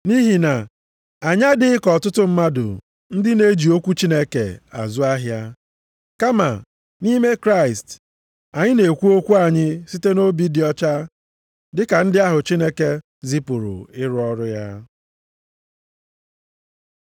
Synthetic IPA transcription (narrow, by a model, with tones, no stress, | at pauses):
ni˦ɦi˨na˨ | a˨ɲa˦dɪ˦ɪ˦kɔ˨tʊ˦tʊ˦m̩˦ma˦dʊ̰˨ | n̩˦dɪ˦ne˦d͡ʒi˨o˦kʷu˦t͡ʃi˦ne˦kḛ˨a̰˨zʊ˦a˦ɦja˦ | ka˦ma̰˨ | ni˦me˦kɾa˦ɪ˨st | a˨ɲɪ˦ne˨kʷu˦o˦kʷu˦a˨ɲɪ˦si˦te˦no˦bi˦dɪ˨ɔ˦t͡ʃa˦ | dɪ˦ka˨n̩˦dɪ˦a˦ɦʊ˨t͡ʃi˦ne˦ke˦ | zi˦pu˨ɾʊ̰˨ɪ˦ɾʊ˦ɔ˦ɾʊ˦ja˦